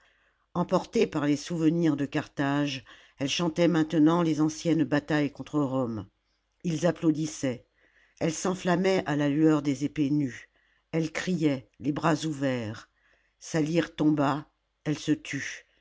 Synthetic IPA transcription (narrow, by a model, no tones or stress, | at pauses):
ɑ̃pɔʁt̪epaʁlesuvəniʁd̪əkaʁt̪aʒ | ɛlʃɑ̃t̪ɛmɛ̃t̪ənɑ̃lezɑ̃sjɛnbat̪ajkɔ̃t̪χəʁɔm | ilzaplod̪isɛ | ɛlsɑ̃flamɛʔalalyœʁd̪ezepeny | ɛlkχijɛlebʁazuvɛːʁ | saliʁt̪ɔ̃ba | ɛlsət̪ʰy